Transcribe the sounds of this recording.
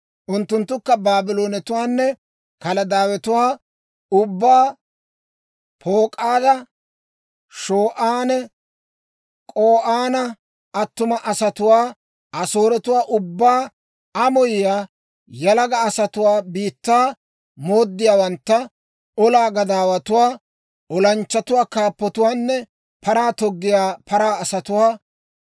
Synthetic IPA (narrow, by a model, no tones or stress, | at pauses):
ʔʊnt̪ːʊnt̪ːʊkːɐbaːbɪlo̞ːnɛt̪ʊwaːnːɛ | kɐlɐd̪aːwɛt̪ʊwaː | ʊbːaː | pʰoːkʼaːd̪ɐ | ʃoːʔaːnɛ | kʼoːʔaːnɐ | ɐt̪ːʊmɐʔɐsɐt̪ʊwaː | ɐso̞ːɾɛt̪ʊwaːʔʊbːaː | ɐmɔjɪjaː | jɐlɐɡɐːsɐt̪ʊwaːbiːt̪ːaː | mo̞ːd̪ːɪjaːwɐnt̪ːɐ | ɔlaːɡɐd̪aːwɐt̪ʊwaː | ɔlɐnt͡ʃːɐt̪ʊwaːkaːpːɔt̪ʊwaːnːɛ | pʰɐɾaːt̪ɔɡːɪjaːpʰɐɾaːɐsɐt̪ʊwaː